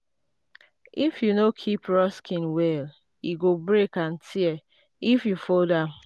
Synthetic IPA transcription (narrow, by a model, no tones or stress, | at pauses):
ifjunokʰipʰɹɔskʰĩnwɛl | juɡobɹekãntʰiɛ | ifjufodãm